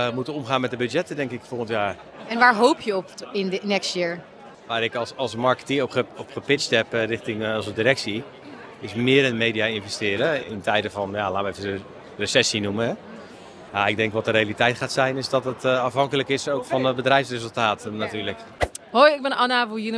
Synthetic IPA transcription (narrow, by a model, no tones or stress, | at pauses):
mutənomχaːnmɛt̚dəbød͡ʒjɛtədɛŋkɪkfoɣəntjaːr | ɛnʋaːɹɦowpʰjəɔpɪnnɛkstjɪɹ | ʋaːɾɪkˠsɑlˠsmɑɹkə̥tiɔpəɔpχəpɪt͡ʃtɛprɪxtɪŋːlˠsədiɾɛksi | ɪsmɪəɾənmejdijaɪnvɛstɪːɾəɪ̰ntʰɛjdəvɔnjalaːʋəejvə | rəsɛsinuməɦɛ | jaɪɡ̚dɛŋkʋɔtəɾejalitɛjtχaːtsɛjnɪsdɔtətɑfɦɑŋkələkɪsowkfɔnəbədrɛjfsrezəlˠtaːtnatyːlək | hojɪɡ̚bɛnanaʋujən